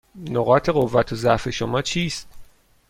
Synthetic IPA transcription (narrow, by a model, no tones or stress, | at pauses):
noɣɒːt̪ʰe̞ɣo̞vːæt̪ʰozæʔfe̞ʃo̞mɒːt͡ʃʰiːst̪̚